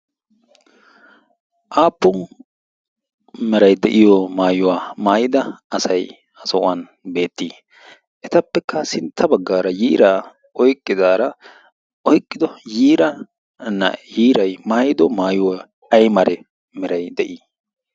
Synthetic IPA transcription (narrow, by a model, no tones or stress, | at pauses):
ʔaːpːʊn | mɛɾɐjd̪ɛʔɪjɔmaːjʊwaːmaːjɪd̪ɐɐsɐj | ɐsɔʔʊ̰an | be̞ːt̪ːiː | ʔɛt̪ɐpːɛkːɐsɪnt̪ʰːɐbɐɡːaːɾɐjiːɾa | ʔɔjkʼːɪd̪aːɾɐ | ɔjkʼːɪd̪ɔjiːɾɐ | nːɐ̰jiːɾɐjmaːjɪd̪ɔmaːjʊwa | ɐjmɐɾɛ | mɛɾɐjd̪ɛʔiː